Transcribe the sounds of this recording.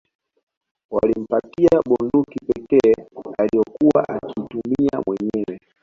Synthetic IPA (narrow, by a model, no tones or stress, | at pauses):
walim̩patiaɓɔndukipɛkɛːalijɔkuwaʔakiːtumia̰mwɛɲɛwɛ